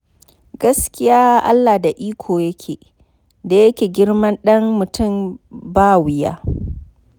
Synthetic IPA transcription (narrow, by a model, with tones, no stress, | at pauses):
ɡɐ˦skʲɪ˦jaː˦ʔa̰˦lːaː˨da˨ʔiː˦kʷʰoː˨jɐ˦kʲʰeː˨ | da˨jɐ˦kʲeː˨ɡʲɪ˦ɽmɐ˦nɗɐ˦ŋːʊ˨tʊ˦˨mbaː˦wɪ˨ja̰ː˦